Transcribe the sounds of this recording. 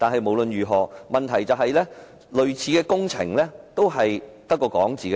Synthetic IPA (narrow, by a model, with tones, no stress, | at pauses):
t̪aː˨nɦɐ˨jmo˨˧wlɵ˨njyː˨˩ɦɔː˨mɐ˨nt̪ʰɐ˨˩jt͡sɐ˨˧wɦɐ˨jlɛː˥ | lɵ˨ɥt͡sʰiː˨˧kɛː˧kʊ˥ŋt͡sʰɪ̰˨˩ŋlɛː˥t̪o˥wɦɐ˨jt̪ɐ˥kːɔː˧kɔː˨˥ŋt͡siː˨kː